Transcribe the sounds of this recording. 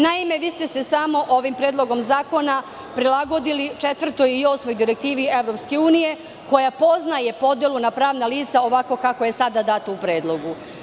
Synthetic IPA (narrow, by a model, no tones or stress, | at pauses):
naime̞ʋiːst̪e̞sesamo̞ʔo̞ʋimpɾeːd̪lˠo̞ɡo̞mzaːko̞na | pɾilˠaɡo̞d̪ilit͡ʂet̪ʋr̩t̪o̞jio̞ːsmo̞jd̪iɾek̚t̪iːʋie̞ʋɾo̞pske̞uːnije̞ | ko̞japo̞znaje̞po̞d̪elunapɾaːʋnaliːt̪sao̞ʋako̞kako̞je̞sad̪ad̪aːt̪oupɾe̞ːd̪lˠo̞ɡu